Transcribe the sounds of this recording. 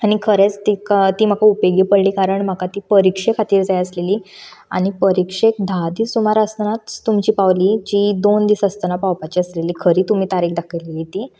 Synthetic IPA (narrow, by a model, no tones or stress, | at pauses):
añikʰəɾet͡st̪ikat̪iːm̤əkaupeɡipəɽliːkaɾəɳm̤akat̪iːpəɾikʂekʰat̪iːɾd͡zajəsleliːa̰ñipəɾikʂek̚d̪ʱad̪iːsumaɾəsnat͡st̪umt͡ɕiːpaʋliːd͡ʑid̪ond̪isəst̪ənapawpat͡ɕiəsleliːkʰəɾiːt̪um̤iːt̪aɾikd̪akʰəjleliːt̪iː